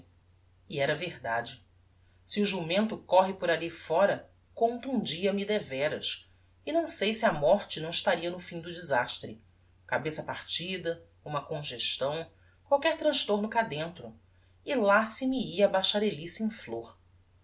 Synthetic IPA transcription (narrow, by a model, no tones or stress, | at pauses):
iɛɾɐvehd̪ad͡ʒɪ | siʊʒumẽnt̪ʊkɔɦɪpʊɾalifɔɾɐ | kõnt̪ũd͡ʒiɐmid̪evɛɾɐʃ | ɪnɐ̃w̃sejsiɐmɔɾt͡ʃɪnɐ̃w̃ɪʃt̪aɾiɐnʊfĩd̪ʊd͡ʒizaʃt̪ɾɪ | kabesɐpaɾt͡ʃid̪ɐ | ũmɐkõʒeʃt̪ɐ̃w̃ | kwawkɛɾt̪ɾɐ̃ʃt̪oɾnʊkad̪ẽnt̪ɾʊ | ɪlasimiiɐbajʃaɾelisiẽfloɾ